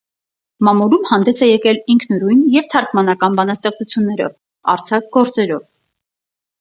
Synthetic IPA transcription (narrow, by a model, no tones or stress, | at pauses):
mɑmuɾumhɑnd̪ɛsʰɛjɛkɛliŋkʰnɔɾujnjɛvt̪ʰɑɾkmɑnɑkɑnbɑnɑst̪ɛχt͡sʰut͡sʰjunːɛɾɔ̰v | ɑ̰ɾt͡sʰɑk̚ɡɔɾt͡sɛɾɔv